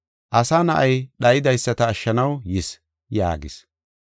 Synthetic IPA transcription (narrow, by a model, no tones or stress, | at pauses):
ʔɐsanɐʔɐjɗɐjɪd̪ɐjsːɐt̪ɐːʃːɐnɐwjɪs | ja̰ːɡɪs